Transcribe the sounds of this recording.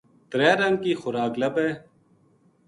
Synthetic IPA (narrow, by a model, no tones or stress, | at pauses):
t̪ɾeːɾɐŋkiːxʊɾaːklɐbeː